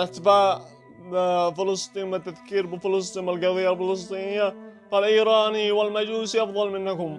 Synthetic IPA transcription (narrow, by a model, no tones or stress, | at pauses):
lʔat̪ɪbaːʔ | fɪlɨst̪ˤiːnbɪt̪ːaðkiːɾbɪfɪlɑs̬ˤt̪ˤiːnɪlɡaðiːalfɪlɑs̬ˤt̪ˤiːnɪjːafalʔiːɾɑːniwalmad͡ʒuːsiʔɑfðˤɑlmɪnːakʊm